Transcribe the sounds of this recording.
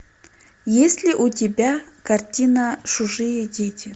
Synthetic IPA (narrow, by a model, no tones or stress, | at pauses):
jesʲlʲɪʔutʲɪbʲakɐrtʲinəʂʊʐɨjədʲetʲɪ